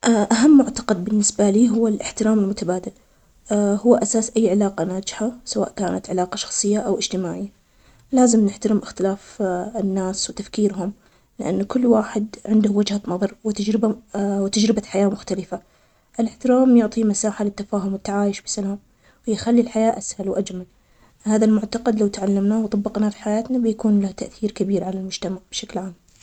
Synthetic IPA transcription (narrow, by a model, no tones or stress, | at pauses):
ʔaʔaɦamːʊʕt̪ɑ̥qɑd̪̚bɪnːɪsbaliːɦʊwːalʔɪħt̪ɪɾaːmɪlmʊt̪abaːd̪al | hʊwːʔasaːsʔajːʕɪlaːqanaːd͡ʒɪħasawa̰ːʔkaːnat̪ʕɪlaːqɑʃɑ̥xsˤɨjːaʔawʔɪd͡ʒt̪ɪmaːʕɪjːa | laːzɪmnɪħt̪aɾɪmʔɪxt̪ɪlaːfɪnːaːswɪt̪afkiːɾɦʊm | lɪʔa̰nːkʊlːwaːħɪd̪ʕɪnd̪ʊwɪd͡ʒhanɑðˤɑɾˤwɪt̪ad͡ʒɾɪbawt̪ad͡ʒɾɪbaħajaːmʊxt̪alɪfa | ʔɪlɪħt̪ɪɾaːmjʊʕt̪ˤimasaːħalɪt̪ːafaːɦʊmwɪt̪ːaʕaːjɪʃbɪ̥salaːm | wɪjɪxalːilħajaːʔashalwʔad͡ʒmal | haːðalmʊʕt̪ɑqɑd̪lawt̪aʕalːamnaːwt̪ˤɑbːɑqnafi̥ħajaːt̪nabɪjakuːnlaht̪aʔθiːɾkabiːɾʕalalmʊd͡ʒt̪amaʕb̥ʃaklʕaːm